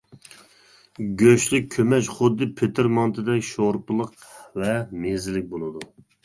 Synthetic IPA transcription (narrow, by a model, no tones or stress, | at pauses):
ɡʲøʃlɪk̚ʲʰːømɛʃχʊd̪ːɨpʰet̪ʰɪɾmɑnt̪ʰɨd̪ɛkʲʃoɾpʊlˠəqvɛmezɪlɪk̚ʲbolˠɨd̪u